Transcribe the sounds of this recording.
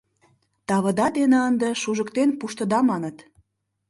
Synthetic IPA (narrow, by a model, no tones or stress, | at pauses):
t̪ɑβə̆d̪ɑd̪enə̆ənd̪ə̆ʃuʒəkt̪enpuʃt̪ə̆d̪ɑmɑnət̪